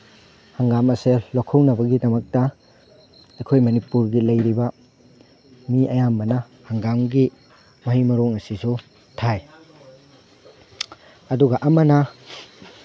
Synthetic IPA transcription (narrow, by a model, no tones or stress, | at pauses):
hɐŋɡamɐselokʰːɐwnɐbɐɡidɐmɐk̚tɐ | ɐjkʰojmɐnipuɾɡilɐjɾibɐ | miʔɐjamːɐnɐ | hɐŋɡamɡi | mɐɦimɐɾoŋɐsisu | tʰaj | ɐduɡɐʔɐmɐnɐ